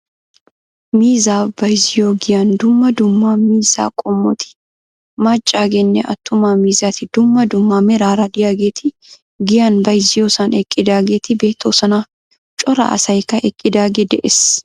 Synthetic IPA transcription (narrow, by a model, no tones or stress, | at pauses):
miːzaːbɐjzɪjoːɡɪjaːnd̪ʊmːɐd̪ʊmːaːmiːza̰ːkʼɔmːɔt̪ɪ̥ | maːt͡ʃʼːaːɡɛnːɛʔɐ̰t̪ːʊmaːmiːzaːt̪ɪd̪̥ʊmːɐd̪ʊmːaːmɛɾaːɾaːd̪ɪjaːɡeːt̪ɪ | ɡɪjaːnbɐjzɪjoːsaːnɛkʼːɪd̪aːɡeːt̪ɪbeːt̪ʰːoːsɐna | t͡ʃʼɔɾɐ̰ʔɐ̰sɐjkɐʔɛkʼːɪd̪aːɡɛd̪ɛʔɛs